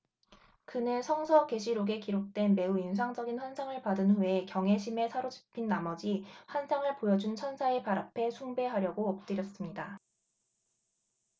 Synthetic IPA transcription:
kɯnɯsʰʌŋsʰʌke̞ɕʰiɾoɡe̞kiɾok̚t͈we̞nme̞uins̬ʰaŋd͡ʑʌɡinɸwansʰaŋɯɭpadɯnɸue̞kjʌŋɦe̞ɕʰime̞sʰaɾod͡ʑi̥pʰinːamʌd͡ʑiɸwansʰaŋɯɭpojʌd͡ʑunt͡ɕʰʌnsʰaepaɾapʰe̞sʰuŋbe̞ɦaɾjʌɡoʌp̚t͈ɯɾjʌs͈ɯmɲida

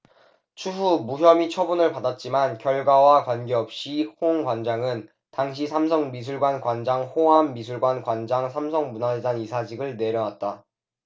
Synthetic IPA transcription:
t͡ɕʰuɦumuɦjʌmit͡ɕʰʌbunɯɭpadat̚t͡ɕ͈imankjʌɭɡwawakwanɡe̞ʌp̚ɕ͈ihoŋɡwand͡ʑaŋɯn | taŋɕ̬ʰisʰams̬ʰʌŋmis̬ʰuɭɡwankwand͡ʑaŋhoɦamːisʰuɭɡwankwand͡ʑaŋsʰamsʰʌŋmunadanisʰad͡ʑiɡɯɭne̞ɾjʌnwat̚t͈a

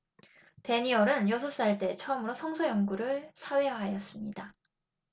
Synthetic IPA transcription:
te̞ɲiʌɾɯnjʌsʰos͈aɭt͈e̞t͡ɕʰʌʌmɯɾosʰʌŋsʰʌjʌŋɡuɾɯɭsʰaweɦajʌs͈ɯmɲida

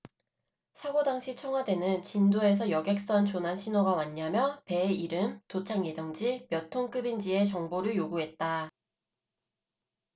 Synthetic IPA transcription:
sʰaɡodaŋɕʰit͡ɕʰʌŋɦwadwe̞nɯnt͡ɕindoe̞s̬ʰʌjʌɡe̞k̚s͈ʌnt͡ɕonɦanɕʰinʌɡamaɲːamjʌpe̞iɾɯmtot͡ɕʰaŋje̞d͡ʑʌŋd͡ʑimjʌtʰoŋk͈ɯbind͡ʑie̞t͡ɕʌŋboɾɯɭjoɡuɦe̞t̚t͈a

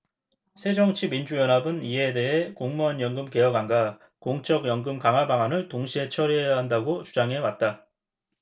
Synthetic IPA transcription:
sʰe̞d͡ʑʌŋt͡ɕʰimind͡ʑujʌnɦabɯnie̞de̞ɦekoŋmʌnjʌŋɡɯmke̞jʌɡaŋɡa | koŋt͡ɕ͈ʌɡjʌŋɡɯmkaŋɦabaŋɦanɯɭtoŋɕʰiɦe̞t͡ɕʰʌɾiejaɦandaɡot͡ɕud͡ʑaŋɦe̞wat̚t͈a

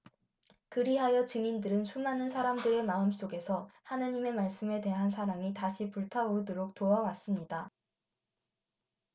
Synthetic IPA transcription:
kɯɾiɦajʌt͡ɕɯŋindɯɾɯnsʰumanɯnsʰaɾamdɯɾe̞maɯms͈oɡe̞sʰʌhanaɲime̞maɭs͈ɯme̞te̞ɦansʰaɾaŋitaɕʰipuɭtʰaoɾodoɾok̚toawas͈ɯmɲida

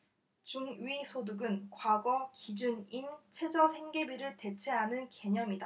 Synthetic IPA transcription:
t͡ɕuŋɥisʰoduɡɯnkwaɡʌkid͡ʑunint͡ɕʰwe̞d͡ʑʌsʰe̞ŋɡe̞biɾɯɭte̞t͡ɕʰe̞ɦanɯnke̞ɲʌmida

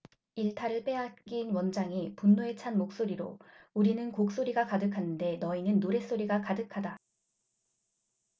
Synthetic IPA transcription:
iɭtʰaɾɯɭp͈e̞at̚k͈inwʌnd͡ʑaŋipunːoe̞t͡ɕʰanmok̚s͈oɾiɾo̰uɾinɯnkok̚s͈oɾiɡakadɯkʰanɯnde̞nʌinɯnːoɾe̞s͈oɾiɡakadɯkʰada

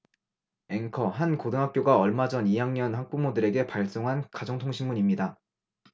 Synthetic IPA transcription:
e̞ŋkʰʌɦankodɯŋɦak͈̚joɡaʌɭmad͡ʑʌnijaŋɲʌnhak̚p͈umodɯɾe̞ɡe̞paɭs͈oŋɦankad͡ʑʌŋtʰoŋɕʰinmuɲimɲida

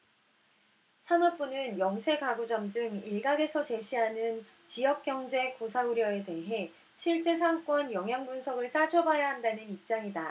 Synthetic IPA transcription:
sʰanʌp͈unɯnjʌŋsʰe̞ɡaɡud͡ʑʌmdɯŋiɭɡaɡe̞sʰʌt͡ɕe̞ɕʰiɦanɯn | t͡ɕijʌk̚k͈jʌŋd͡ʑe̞kosʰauɾjʌe̞te̞ɦe̞ | ɕʰiɭt͡ɕ͈e̞s̬ʰaŋk͈ʌnjʌŋɦjaŋbunsʰʌɡɯɭt͈ad͡ʑʌbajaɦandanɯnip̚t͡ɕ͈aŋida

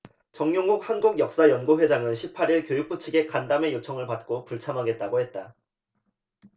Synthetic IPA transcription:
t͡ɕʌŋɲjoŋɡuk̚hanɡuɡjʌk̚s͈ajʌnɡoɸwe̞d͡ʑaŋɯnɕʰipʰaɾiɭkjojuk̚p͈ut͡ɕʰɯɡe̞kandame̞jot͡ɕʰʌŋɯɭpat̚k͈opuɭt͡ɕʰamɦaɡe̞t̚t͈aɡohet̚t͈a

